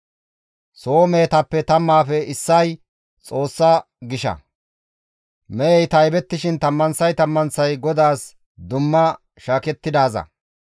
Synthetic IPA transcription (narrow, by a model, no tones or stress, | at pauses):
so̞ːmeːt̪ɐpːɛt̪ɐmːaːfɛɪsːɐj | t͡sʼo̞ːsːɐ | ɡɪʃɐ̰ | mɛɛjt̪ɐjbɛt̪ːɪʃɪnt̪ɐmːɐnsɐjt̪ɐmːɐnsɐjɡɔd̪aːs | d̪ʊmːɐ | ʃaːkɛt̪ːɪd̪aːzɐ̰